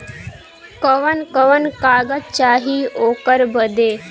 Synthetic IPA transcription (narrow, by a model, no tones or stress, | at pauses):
kəʋənkəʋənkaːɡət̪̚t͡ʃaːɦiːoːkəɾbəd̪eː